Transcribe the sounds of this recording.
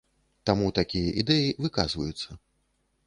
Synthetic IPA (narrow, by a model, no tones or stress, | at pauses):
t̪amut̪akʲijɐʔid̪ɛjivɨkazvɐ̰jut̪sːɐ